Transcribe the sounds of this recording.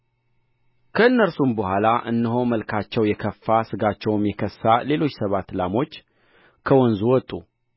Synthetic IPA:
kʰəɨnːəɾsumbəhʷalaʔɨ̰nːɨɦo̞məlkʰat͡ʃːɛwjɛkʰəfːasɨɡat͡ʃːɛwmjɛkʰəsːale̞lo̞t͡ʃːsəβat̪lamo̞t͡ʃː | kʰəwɔnzuwɔt̪ʼːu

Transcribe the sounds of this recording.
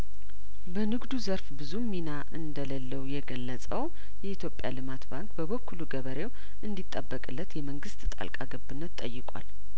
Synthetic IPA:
bənɨɡd̪uzəɾfbɨzumːinaʔɨnd̪ələlːəwjɛɡəlːəsʼəw | jɛit̪ʰjo̞pʼja̰lɨmat̪baŋkbəβəkʰːuluɡəβəɾe̞w | ʔɨnd̪it̪ʼːəbːəkʼɨlːət̪jɛməŋɡɨst̪t̪ʼa̰lkʼa̰ɡəbːɨnːət̪tʼːəjːɨkʼwa̰l

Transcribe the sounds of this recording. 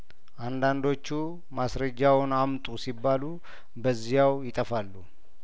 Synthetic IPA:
ʔand̪and̪o̞t͡ʃːu | masɾəd͡ʒːawʊnamt̪ʼusibːalu | bəzːijawjɪt̪ʼəfalːu

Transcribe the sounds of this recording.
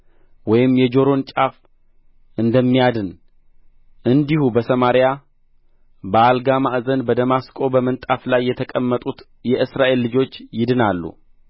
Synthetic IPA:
wɔjɪmjɛd͡ʒo̞ɾo̞nt͡ʃʼaf | ʔɨnd̪əmːijad̪ɨn | ʔɨnd̪ihubəsəmaɾja | bəalɡamaʔzənbəd̪əmaskʼo̞bəmənt̪ʼaflajːɛt̪ʰəkʼəmːət̪ʼut̪ | jɛʔɨsɾaʔe̞lːɨd͡ʒo̞t͡ʃːjɪd̪ɨnalːṵ

